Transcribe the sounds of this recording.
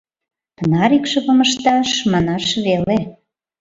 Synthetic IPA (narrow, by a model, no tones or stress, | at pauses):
pənɑɾikʃĕβə̆mə̆ʃt̪ɑʃmɑnɑʃβele